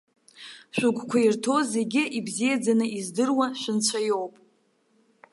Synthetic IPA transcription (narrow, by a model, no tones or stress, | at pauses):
ʃᶣʷʊɡʷkʷʰairtʰo̞ze̞ɡʲɪʔibzijad͡zanɨizdɨrwaʃʷᶣɨnt͡ɕʷʰajowpʼ